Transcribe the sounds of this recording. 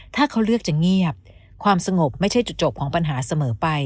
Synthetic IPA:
t̪ʰaː˥˩kʰa˦˥wɾɯ˥˩ək̚t͡ɕa˨˩ŋi˥˩əp̚ | kʰwaː˧msa˧ŋo˨˩p̚ma˥˩jt͡ɕʰa˥˩jt͡ɕu˨˩t̪̚t͡ɕo˨˩p̚kʰɔː˩˦ŋpa˧nɦaː˩˦sa˧mɤː˩˦pa˧j

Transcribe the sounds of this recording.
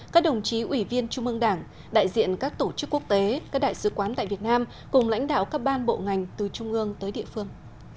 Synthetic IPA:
kaː˦˥k̚ɗə˨˩wŋ͡mt͡ɕi˨˦ʔwi˧˩vi˧ənt͡ɕʊ˧ŋ͡mʔɨ˧əŋɗaː˧˩ŋ | ɗa̰ː˧˨jzḭ˧˨ənkaː˦˥k̚t̪o˧˩t͡ɕɨ˦˥kːu˦˥ək̚t̪e˨˦kaː˦˥k̚ɗa̰ː˧˨jsɨ˨˦kwaː˨˦nt̪a̰ː˧˨jvi˨˩t̚naː˧m | kʊ˨˩ŋ͡mla̰˧˥jŋ̟ɗa̰ː˧˨wkaː˦˥k̚ɓaː˧nɓo̰˧˨ŋa˨˩jŋ̟t̪ɨ˨˩t͡ɕʊ˧ŋ͡mʔɨ˧əŋt̪əː˨˦jɗḭ˧˨əfɨ˧əŋ

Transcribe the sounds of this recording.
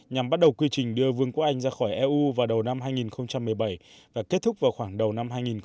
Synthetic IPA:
ɲa˨˩mɓa˦˥t̚ɗə˨˩wkwi˧t͡ɕï˨˩ŋ̟ɗɨ˧əvɨ˧əŋkk̚ʔa˧jŋ̟zaː˧xɔ˧˩jʔɛ˧ʔu˧vaː˨˩wɗə˨˩wna˧mɦaː˧jŋi˨˩nxə˧wŋ͡mt͡ɕa˧mːɨ˨˩əjɓa˧˩j | vaː˨˩ke˦˥t̚t̪ʰʊ˦˥k͡p̚vaː˨˩wxwaː˧˩ŋɗə˨˩wna˧mɦaː˧jŋi˨˩n

